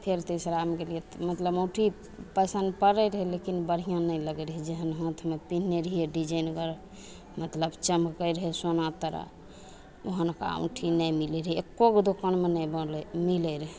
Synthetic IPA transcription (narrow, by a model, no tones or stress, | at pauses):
pʰeɾt̪esɾamɡelijet̪mət̪ləboʈʰi | pəsənd̪pəɾəɾəɦɛlekinbəɾ̤ijãnəjləɡɛɾəɦɛd͡ʒeɦənɦə̃t̪ʰmepinːeɾəɦijeɖid͡ʒəjnɡəɾ | mət̪ləbt͡ʃəmkəjɾəɦɛsonat̪əɾa̰ | oɦənka̰õ̰ʈʰinəjmilɛɾɦɛekːokd̪okənmenəjbəlɛmiləɾəɦe